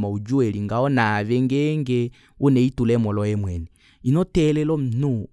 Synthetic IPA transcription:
maud͡ʒuɛliŋɡaɔnaβɛŋɡɛŋɡɛ | unɛitulɛmɔlɔjɛmwɛnɛ | inɔtɛlɛlɔm̩nu

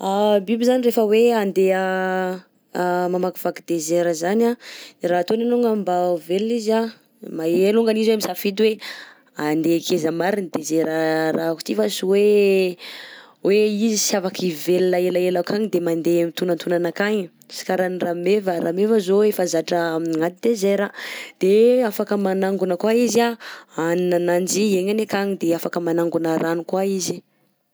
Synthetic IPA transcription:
abibizanirefəweand̪eə | mamaku̥fakid̪ezeɾəzanaɾat̪onanuŋɡambaveliza | maeluŋɡaniziwamisafid̪uwe | and̪ekʰezəmaɾinid̪ezeɾəraku̥t̪ifasiwe | wʔeizisiavakivelilaelaelakaɲid̪emand̪emit̪unant̪unanakaɲi | si̥kaɾaniramevəɾʔamevəzoefazaʈ͡ʂəŋat̪id̪ezejɾad̪̥eafakəmanaŋɡunəkwaizaaninanand͡ʒieɲanekaɲid̪eafakəmanaŋɡunaɾanikwaizi̥

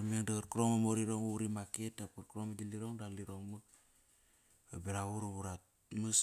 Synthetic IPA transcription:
meŋdakəɾkuɾomamoɾiɾoŋuɾimaketapkəɾkuɾoməd͡ʒiliɾoŋdaliɾoŋmə | əbiɾawuɾubuɾa | məs

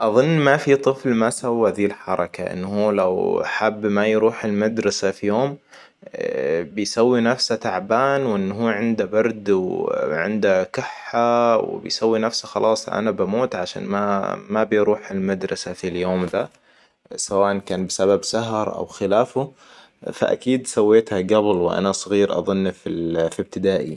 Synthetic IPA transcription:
ʔɑðˤʊnːmafit̪ˤɨflmasawːaðiːlħɑɾˤɑkaʔɪ̰nːhuːlawħabːmajɾuːħɪlmad̪ɾˤɑsafijoːm | bɪjsawːinafsat̪aʕbaːnwʔɪnːɦuːʕɪnd̪abɑɾˤd̪wʕɪ̰nd̪akɪħːaw̰bɪ̰jsawːinafsaxɑlʔɑːsˤʔa̰nabamoːt̪ʕaʃa̰ːnma̰mabɪjɾuːħɪlmad̪ɾˤɑsafiljoːmd̪a | sawaːʔankaːnbɪsababsaɦɑɾˤʔa̰wxɪlaːfʊ | fa̰ʔa̰kiːd̪sawːeːt̪haɡablwɪʔa̰nasˤɣiːɾʔɑ̰ðˤʊnːfifib̚t̪ɪd̪aːʔḭ

